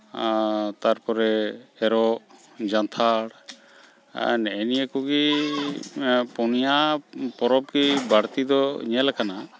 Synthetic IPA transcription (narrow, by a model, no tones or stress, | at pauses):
t̪aɾpɔɾɛːɾɔ | d͡ʒant̪ʰaɽ̰ | nɛɛnijekuɡi | pɔnijapɔɾɔp̚ɡibaɾt̪id̪ɔɲɛlakana